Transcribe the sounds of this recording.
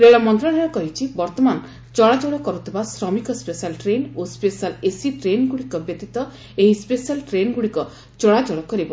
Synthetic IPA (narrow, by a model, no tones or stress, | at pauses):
ɾeɭɔmɔnt̪ɾɔɽ̃aɾɔkɔɦit͡ʃʰibɔɾt̪ɔman | t͡ʃɔɽad͡ʒɔɽɔkɔɾut̪ʰibasɾɔmikɔspesalʈɾenospesalesiʈɾenɡuɽikɔbjet̪it̪ɔ | eɦispesalʈɾenɡuɽikɔ | t͡ʃɔɽad͡ʒɔɽɔkɔɾibɔ